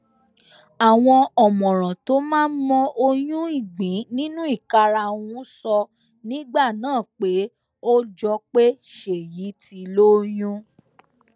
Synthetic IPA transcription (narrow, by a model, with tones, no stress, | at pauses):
a˨w̃ɔ̃˧ɔ˨mɔ̃˨ɾ̃ɔ̃˨to˨˦mãː˦n̩˦mɔ̃˧ʔo˧jũ˦i˦˨ɡ͡bĩ˨˦nĩ˦nũ˦i˦˨ka˧ɾa˧wũ˧˦sɔ˧ | nĩ˦ɡ͡ba˦˨nãː˦˨k͡pe˨˦ | o˦d͡ʒɔ˧k͡pe˦ʃe˨ji˨˦tʰi˧lo˦jũ˦